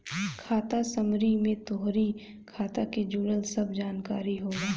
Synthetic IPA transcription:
kʰaːt̪asəmɾimẽt̪oɦɾi | kʰaːt̪aked͡ʒuːɽəlsɐbd͡ʒaːnkaːɾiɦoːɡaː

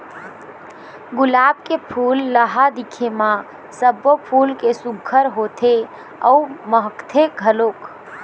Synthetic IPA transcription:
ɡʊlaːb̚kepʰulːəɦad̪ikʰemã | səbopʰulkesuɡʱːəɾɦot̪ʰe | ə̰uməɦəkt̪ʰeɡʱəloːk

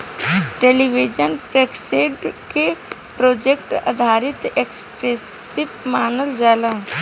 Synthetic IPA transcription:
ʈeːliʋid͡ʒənpɾekseːɖke | pɾoːd͡ʒekʈɐ̰d̪ʱaːɾɪt̪ekspɾes | ipmaːnəld͡ʒaːlã

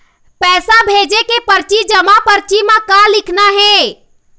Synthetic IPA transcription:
pɛsabʱed͡ʒekepəɾt͡ʃid͡ʒəmapəɾt͡ʃimãkalikʰnaɦe

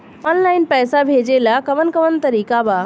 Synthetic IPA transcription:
ɔnlaɪnpɛːsabʱed͡ʒelakəʋənkəʋənt̪əɾiːkaba

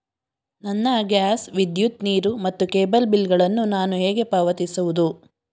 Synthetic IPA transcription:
nɐnːɐɡaːsʋid̪jut̪niːɾumɐt̪ːukeːbɐlbilɡɐɭɐnːunaːnuɦeːɡe̞paːʋɐt̪isuʋud̪u

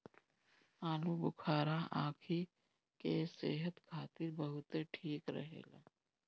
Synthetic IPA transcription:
aːlubʊkʰaːɾaʔã̰ːkʰi | keseːɦət̪kʰaːt̪ɪɾbəɦʊt̪eʈʰiːkɾɐ̰ɦḛːlaː

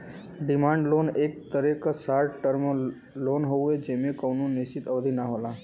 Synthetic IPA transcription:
ɖimãɳɖlonek̚t̪əɾekəsaɾʈəɾmə | lonɦoed͡ʑemẽkəʋnũnist͡ʃit̪əʋd̪ʱinaɦola

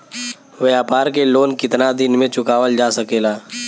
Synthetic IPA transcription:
ʋɛɦaːpaːɾkeloːnkɪt̪nad̪ɪnmẽt͡ʃʊkaːʋəld͡ʒaːsəkeːlaː

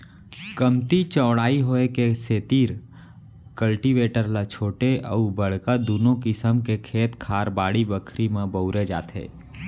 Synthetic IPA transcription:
kəmt̪it͡ʃəːɽaːiɦoːekeseːt̪iːɾ | kəlʈiʋeːʈəɾlat͡ʃʰoːʈeʔə̰ubəɽ̤kad̪uːnõkɪsəmkekʰeːt̪kʰaːɾbaːɽibəkʰɾimẽbəʊɾed͡ʒa̰ːt̪ɦɛ̰ː

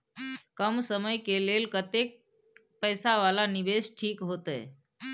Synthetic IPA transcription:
kəmsəməjkelelkət̪ek̚ | pəjsaʋalanibesʈʰikɦot̪ɛ̰

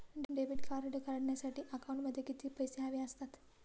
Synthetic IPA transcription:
ɖɖeʋiɖkʰaɾɖkəɾəɽɳjasaʈʰiːʔəkaũɳʈməd̪ʱːjekit̪iːpəjseɦaʋiːəst̪at̪

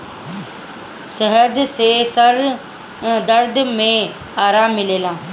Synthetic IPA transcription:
səɦəd̪seːsɐɾ̃ | d̪ɐɾd̪mẽ | aːɾaːmːɪleːlãː

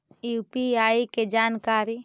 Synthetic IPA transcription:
jupiaːiked͡ʒaːnkaːɾi

